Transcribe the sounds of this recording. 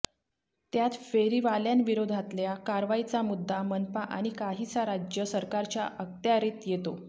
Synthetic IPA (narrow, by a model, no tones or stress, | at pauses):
t̪jat̪feɾiʋaljanʋiɾod̪ʱat̪ljakaɾʋait͡samud̪ʱːamənpaʔa̰ɽ̃ikaɦit͡saɾad͡ʑjəsəɾkaɾt͡ɕjaʔək̚t̪jaɾit̪jet̪o